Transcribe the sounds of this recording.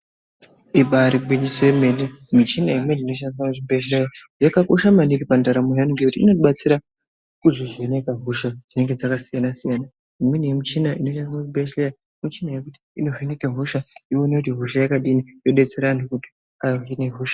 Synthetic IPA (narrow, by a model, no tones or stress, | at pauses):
iɓaɾiɡ͡bwiɲisoeme̞nemut͡ʃinaimweninoʃaniranuʐibeʃ̬lejaʐekakoʃamaniripandaɾamuɦenŋɡekutiḭno̞tiɓat͡siɾa | kuʐiʐene̞kaɦuʃad͡zine̞ŋɡe̞d͡zakasijanasijana | imwenejemut͡ʃinainoʃaniaʐibeʃleja | mut͡ʃinajekuti̥ino̞venekaɦuʃaionekutiɦuʃajakaɗinijo̞ɗe̞t͡seɾandokuti̥ | ajoɦineɦuːʃḁ